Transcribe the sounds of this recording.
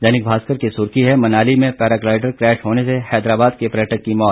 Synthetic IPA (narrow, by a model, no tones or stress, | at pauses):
d͡ʒɐːnɪk̚bʱaːskəɾkisʊɾkiɦɛmɐnaːlimẽpɛːɾaːklaːɪɖəɾkɾɛːʃɦoːnesehɛːd̪ɾaːbaːd̪kepɾɛːʈəkːimɔːt̪